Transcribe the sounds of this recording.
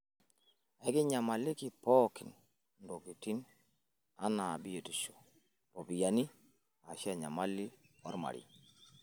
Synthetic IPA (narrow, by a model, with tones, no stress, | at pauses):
ɛ˨˦kɪ˦ɲa˨ma˨lɪ˦ki˨pɔ˦kɪ˨n | ndo˨ɡi˨ti˦n | a˦na˨bi˦je˨ti˨ʃo̥˨ | po˨bi˨ja˨ni˦ | a˨ʃa˦˨ɲa̰˨ma˦li˦ɔ˦ɾma̰˨ɾḭ˨